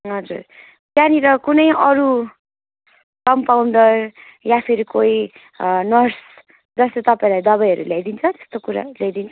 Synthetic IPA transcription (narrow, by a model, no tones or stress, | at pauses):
ɦʌd͡zur | kjaniɾʌkunʌjʔʌɾu | kʌmpawɳɖʌr | japʰiɾikoi | nʌrs | d͡zʌst̪et̪ʌpaĩlajd̪ʌbajɦʌɾṵlajd̪int͡sʰʌt̪e̥st̪okuɾa̰lejd̪int͡sʰʌ